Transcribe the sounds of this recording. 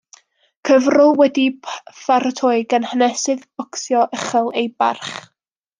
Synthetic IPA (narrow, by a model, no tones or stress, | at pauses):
kʰəvrʊlˠwɛdifaɾtʰojɡənhənɛsɨðb̥ɔksjɔʔəχəlˠejba̰rχ